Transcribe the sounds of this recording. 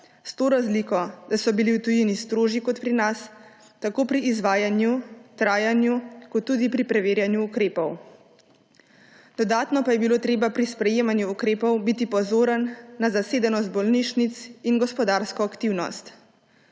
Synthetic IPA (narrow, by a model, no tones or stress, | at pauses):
st̪oːɾazlikɔd̪̥asɔbiliwt̪ujinist̪ɾoːʒikɔt̪pɾinas | t̪akoːpɾiːzʋaːjanjut̪ɾaːjanjukɔt̪ːuːd̪ipɾipɾɛʋeːɾjanjuːkɾeːpɔw | d̪̥ɔd̪aːt̪nɔpajɛbiloːt̪ɾeːbapɾispɾɛjeːmanjuːkɾeːpɔwbit̪ipɔzoːɾənːazaseːd̪ɛnɔzt̪̚bɔlniʃnit̪sinɡɔspɔd̪aːɾskɔakt̪iwnɔ̰st̪